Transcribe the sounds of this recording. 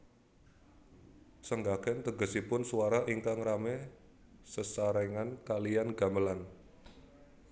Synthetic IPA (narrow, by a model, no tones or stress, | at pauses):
səŋɡakɛnt̪əɡə̤sipʊnsuaɾaʔiŋkaŋrame | səsaɾɛŋankalijanɡa̤məlan